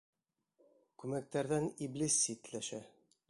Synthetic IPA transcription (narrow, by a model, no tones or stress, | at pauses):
kʉmæk̚t̪æɾðæniblisːit̪læʃæ